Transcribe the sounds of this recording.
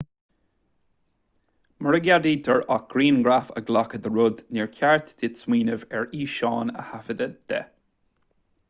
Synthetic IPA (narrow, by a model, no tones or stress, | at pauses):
məɹəɡjad̪iːd̪ʰəɹaɡ̥ɾiːnɡɹafə̰ɡlakəd̪əɹʊd̪nɛːɹkʲʰaɹt̪dɪtsmiːnəvɛɹiːʃɑːnə̰hafəd̪əd̪̥ɛ̰